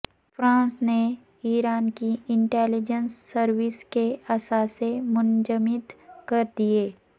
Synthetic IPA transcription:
fɾãːnsne | iːɾaːnkiɪ̃ɳʈɛːlɪd͡ʒənsːəɾwɪskeɐsaːsemʊ̃nd͡ʒəmɪt̪kɐɾd̪ieː

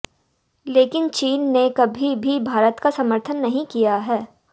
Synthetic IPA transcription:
leːkɪnt͡ʃiːnːekɐbʱibʱibʱaːɾət̪kasɐməɾt̪ʰənːɐɦĩkijaɦɛː

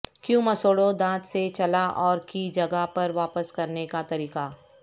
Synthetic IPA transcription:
kjũmɐsoːɽod̪ãːt̪set͡ʃɐlaʔɔːɾkid͡ʒɐɡapɐɾʋaːpəskɐɾnekat̪ɐɾiːqa

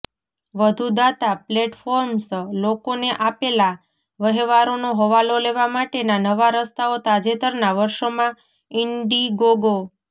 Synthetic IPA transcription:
ʋəd̪ʱud̪at̪apleʈfoɾmslokoneʔapela | ʋəɦeʋaɾonoɦəʋaloleʋamaʈenanəʋaɾəst̪aot̪ad͡ʒet̪əɾnaʋəɾʃomã | ɪɳɖiɡoɡo

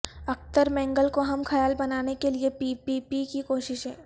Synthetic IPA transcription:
ɐk̚t̪əɾmɛ̃ːŋɡəlkoɦɐmxʰɐjaːlbɐnaːnekeliepiːpiːpikikoːʃɪʃɦɛ̃ː

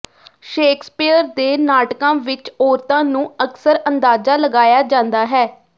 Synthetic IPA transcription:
ʃeːkspiːəɾd̪eːnaːʈkãːʋɪt͡ʃɔːɾt̪ãːnũːəksəɾənd̪aːd͡ʒaːləɡaːjaːd͡ʒãːnd̪aːɦɛː

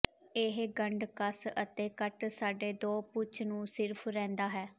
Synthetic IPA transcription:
ɪɦɡəɳɖkəsət̪eːkəʈsaːɖeːd̪oːpʊt͡ʃnũːsɪɾpʰɾɛ̃ːnd̪aːɦɛː

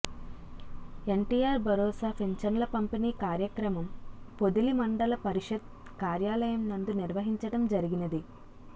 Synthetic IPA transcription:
e̞ɳʈiːjaːɾbʱɐɾɔːsaːpʰeɲt͡ʃɐnɐlɐkɐmpiniːkaːɾjɐkɾɐmɐmpo̞d̪ulimɐɳɖɐlɐpɐɾiʂɐd̪̚ | kaːɾjaːlɐjɐmnɐnd̪uniɾʋɐɦiɲt͡ʃɐɽɐmd͡ʒɐɾiɡinɐd̪i

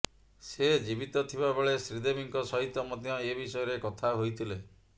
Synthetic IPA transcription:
sed͡ʒibit̪ɔt̪ʰibabeɭesɾid̪emiŋkɔsɔɦit̪ːɔmɔt̪jɔebisɔjɔɾekɔt̪ʰaɦojt̪ʰile

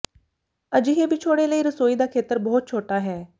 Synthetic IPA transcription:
əd͡ʒɪɦeːbɪt͡ʃʰoːɽeːləiːɾəsoːiːd̪aːkʰeːt̪əɾbɔːt̪̚t͡ʃʰoːʈaːɦɛː

